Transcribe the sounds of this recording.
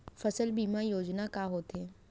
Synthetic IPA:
fɐsəlbiːmajoːd͡ʒnakaɦoːt̪ɦeː

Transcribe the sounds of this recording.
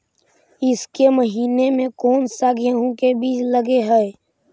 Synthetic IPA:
ɪskeməɦiːnemẽkɔːnsaɡjəɦõkebiːt͡ʃləɡeɦɛe

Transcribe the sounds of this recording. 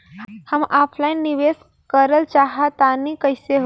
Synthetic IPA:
həmapʰlaj̃nniʋes | kəɾəlt͡ɕaɦat̪anikəjseɦ

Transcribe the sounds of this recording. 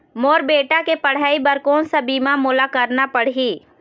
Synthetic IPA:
moːɾbeːʈakepɐɽ̤aːibɐɾkoːnsabiːmamoːlakɐɾnapɐɽ̤iː

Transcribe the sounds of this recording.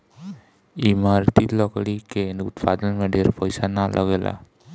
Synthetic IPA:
imaɾt̪it̪lɔkalikenut̪pad̪ɔnmeɖeɾpɔjsanalʔɔɡelʔa̰

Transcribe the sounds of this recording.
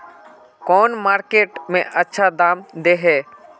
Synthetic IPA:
kɔːnmaːɾkeːʈmẽʔətːʃʰad̪aːmd̪eːɦɛː

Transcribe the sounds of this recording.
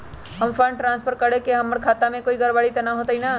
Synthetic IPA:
ɦɐmfʰə̃ɳʈʈɾãːnspʰəɾkɐɽekeɦɐmːɐɽkʰaːt̪amẽkoːiɡɐɾbaːɽit̪ɐnaɦoːt̪aɦinaː

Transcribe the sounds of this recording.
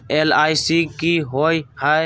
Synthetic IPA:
eːlaːisiːkiːɦoːiha

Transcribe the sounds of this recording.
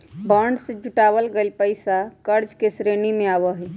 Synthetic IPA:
baːɳɖsed͡ʒuʈaːwəlɡelpəɪsakəɾd͡ʒkesɾenimẽaːʋəɦɛ

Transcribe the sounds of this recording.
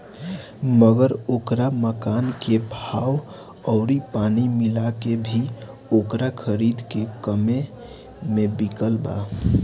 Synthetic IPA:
məɡəɾoːkɾaməkaːnkebʱaːw | ɔːɾipaːnimɪlakebʱi | oːkɾakʰəɾid̪kekəme | mẽbikəlba̰

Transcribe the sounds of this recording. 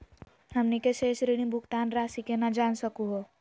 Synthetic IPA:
ɦɐmnikeʃeːʃɾiɽ̃ĩbʱʊkt̪aːnɾaːsikenɐd͡ʒaːnsəkuɦoː

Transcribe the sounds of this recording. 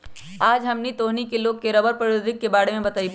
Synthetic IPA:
aːd͡ʒɦɐmnit̪oːɦnikeloːɡ̚keɾɐbəɾpɐoːd̪ʱɪkːebaːɽemẽbɐt̪aːi

